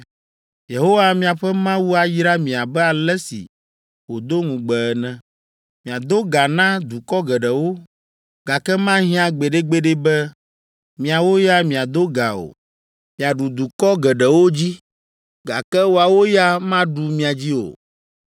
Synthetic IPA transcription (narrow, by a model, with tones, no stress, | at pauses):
je˨ɦo˦wa˦mĩ˦a˨ɸɛ˦mã˦wu˦a˨jɾa˦mĩ˨a˨bɛ˦a˨lɛ˦sḭ˨ | wo˨d̪o˦ŋũ˨ɡ͡bɛ˨ɛ˨nɛ̃˨ | mĩ˨a˨d̪o˦ɡa˨nã˦d̪u˨kɔ˦ɡɛ˨ɖɛ˨wo˦ | ɡ̥a˨kɛ˦mã˦ɦĩ˦ã˨ɡ͡be˨ɖe˦ɡ͡be˦ɖe˦bɛ˦ | mĩ˨a˨wo˦ja˦mĩ˨a˨d̪o˦ɡa˨o̰˨ | mĩ˨a˨ɖu˨d̪u˨kɔ˦ɡɛ˨ɖɛ˨wo˦d͡ʑi˦ | ɡa̰˨kɛ˦wo˦a˨wo˦ja˦mã˦ɖu˨mĩ˦a˨d͡ʑi˦o̰˨